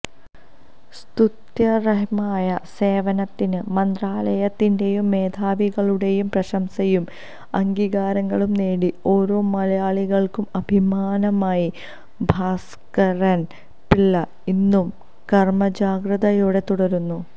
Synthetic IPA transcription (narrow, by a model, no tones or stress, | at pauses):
st̪ut̪jɐreɦmaːjɐse̞ːʋɐnɐt̪ːinɨmɐnd̪raːlɐjɐt̪ːinde̞jumːe̞ːd̪ʱaːʋiɣɐɭuɽe̞jumprɐɕɐmsɐjum | ɐŋɡiːɣaːɾɐŋːɐɭumneːɽio̞ːɾo̞ːmɐlɐjaːɭiɣɐɭkumɐbʱimaːnɐmaːji | bʱaːs | kɐɾɐn | piɭːɐ | inːum | kɐrmɐd͡ʑaːɡrɐðɐjuːɽe̞t̪uɽɐɾunːu